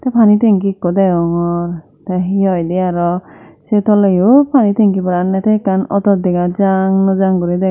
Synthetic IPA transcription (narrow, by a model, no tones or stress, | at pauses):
t̪epʰanit̪eŋkikːɔd̪ɛɔŋɔɾ | t̪ɛɦiɔjd̪iaɾɔset̪ɔlejopʰanit̪eŋkibɔɾannːɛt̪ekanɔt̪ɔd̪iɡad͡ʒaŋnɔd͡ʒaŋkɔɾid̪ɛ